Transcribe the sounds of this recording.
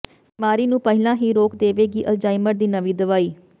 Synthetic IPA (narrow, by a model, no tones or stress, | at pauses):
bimaːɾiːnũːpəɦɪlãːɦiːɾoːkd̪eːʋeːɡiːʔəld͡ʒaːɪməɾd̪iːnəʋiːd̪əʋaːiː